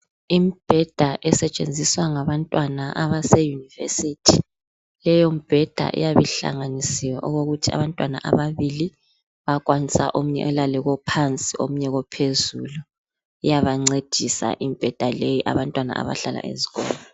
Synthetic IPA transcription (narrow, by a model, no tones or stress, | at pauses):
imib̥ʱɛd̥ʱaʔɛsɛt͡ʃʼend͡zʱiswaŋaβantʼwanaʔaβasɛjunivḛsitʰi | lɛjomib̥ʱɛd̥ʱa̰ʔḭjaβiɬa̰ŋanisiwaʔuɣoɣutʰia̰βantʼwana̰ʔa̰βaβili | βakʼwanisa̰ʔom̩ɲɛ̰ʔɔlalɛɣɔpʰant͡sʼiʔo̰m̩ɲɛɣɔpʰezulu | ijaβaŋ͡ǀed̥ʱisa̰ʔimib̥ʱɛd̥ʱalejiʔa̰βantʼwana̰a̰βa̰ɬala̰ʔḛziɣɔ̰ːlɔ